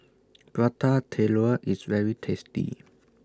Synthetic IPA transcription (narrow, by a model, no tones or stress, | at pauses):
b̥ɹatʰatʰeloʔisvɛɹitʰɛstḭ